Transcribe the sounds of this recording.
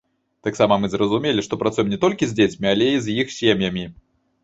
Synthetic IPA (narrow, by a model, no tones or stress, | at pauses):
t̪aksamɐmɨzrɐzumʲelʲiʂt̪ɔpɾat̪sujɛmnʲɛt̪ɔlʲkʲizʲd͡zʲet͡sʲmʲialʲɛizjixsʲemʲjɐmʲi